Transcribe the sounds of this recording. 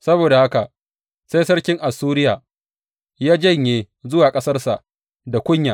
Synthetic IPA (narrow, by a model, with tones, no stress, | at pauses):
sɐ˦boː˨da˨ha˦ka˨ | se˦jsɐ˦rkʲɪ˦ŋʔa˨suː˦ɾɪ˦jaː˨ | jaː˦d͡ʒɐ˦˨ɲjeː˨ | zʊ˦waː˨kʼɐ˦sɐ˦rsa˨ʔ | da˨kʷʊ˦ɲjaː˨